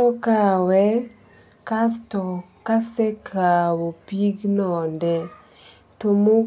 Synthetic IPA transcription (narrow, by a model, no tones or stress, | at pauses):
ɔkawɛ | kastɔ | kasɛkʰawopiɡnɔndɛ | tomo